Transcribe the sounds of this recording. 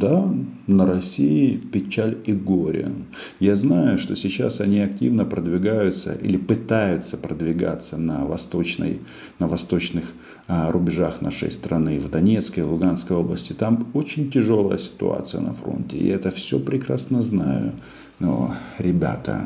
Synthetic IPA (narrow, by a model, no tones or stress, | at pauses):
d̪anəɾɐsʲijɪpʲɪt͡ɕalʲɪɡoɾʲɪə̰ | jaznajʊʂt̪o̞sʲɪt͡ɕa̰sɐnʲiɐk̚tʲivnəpɾəd̪vʲɪɡajʊt̪sə̰ʔḭlʲɪpɨt̪ajʊt̪səpɾəd̪vʲɪɡa̰t̪sənəvɐst̪o̞t͡ɕnə̰j | nəvɐst̪o̞t͡ɕnɨx | rʊbʲɪʐaxnʔa̰ʂə̰jst̪ɾʔɐnɨvd̪ɐnʲe̞t̪skəjɪlˠʊɡanskəjo̞blˠəsʲtʲɪt̪amo̞t͡ɕɪnʲtʲɪʐo̞lˠəjəsʲɪ̥t̪ʊ̰a̰t̪sɨjə̰nɐ̰fɾo̞̰ntʲɪ̰ɛt̪əfsʲɵ̰pɾʲɪkɾasnəznajʊ̰ | no̰ɾʲɪbʲa̰t̪ə̰